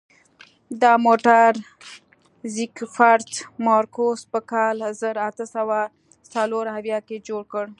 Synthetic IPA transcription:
d̪ɑmoʈaɾ | zikfaɾt̪mɑɾkospəkɑlzəɾat̪əsawa | t͡saloɾɦawjɑked͡ʒoɽkəɽ

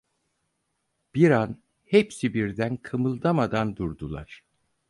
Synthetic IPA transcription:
b̥iɾan | hepsibiɾd̪ænkʰɯmɯlˠd̪amad̪and̪uɾd̪ulˠa̰ɾ̥

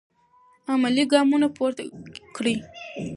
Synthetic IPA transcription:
amaliɡɑmunapoɾt̪akɽi

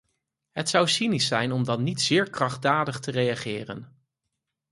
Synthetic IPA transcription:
ɦətsʌwsinisːɛjnɔmdɑnːitsɪːɹkrɑχ̚daːdəχtərejaχɪːrə̰n

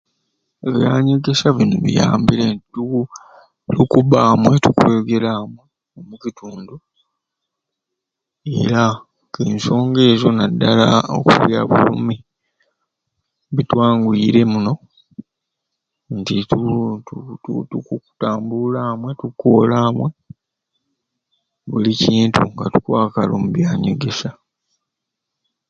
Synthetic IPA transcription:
eβijaːɲiɡesaβinuβḭjaːmbilentitu | tukuβaːmwetukuweɡe̞lamwe | omucitʰuːndu | e̞̰ɾa | keːnso̞ːŋɡe̞ːzo̞nadːala̰o̰kṵβja̰βṵlṵmi | βitwaːŋɡuiɾe̞muno̞ | ntitutututukuutaːmbulaːmwe̞tukːoːlaːmwe̞ | βuliciːntʰṵŋɡatu̥kwaːkalomuβjaːɲoɡe̞sa

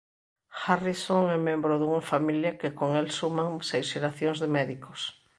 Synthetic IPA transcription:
xarisoŋɛmẽmbɾʊðuŋafamiljakɪkoŋɛlsumãŋsejsʃeɾaθjoŋzðemɛðikos

